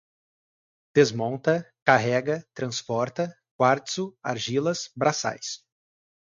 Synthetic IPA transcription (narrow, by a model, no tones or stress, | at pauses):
d̪̥ezmõnt̪ɐkaɦɛɡɐt̪ɾɐ̃spɔɾt̪ɐ | kwaɾt̪sʊa̰ɾʒilɐsbɾasa̰js